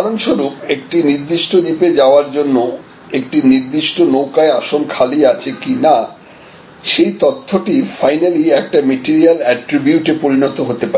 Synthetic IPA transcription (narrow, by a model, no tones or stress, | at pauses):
alonʃoɾupek̚ʈiniɾd̪iʃʈod̪iped͡ʑaoaɾd͡ʑonːo | ek̚ʈiniɾd̪iʃʈonowkaeaʃonkʰaliat͡ɕʰekina | ʃejt̪ot̪ʰːoʈifajnaliɛk̚ʈameʈiɾialɛʈɾibjuʈepoɾinot̪oɦot̪epae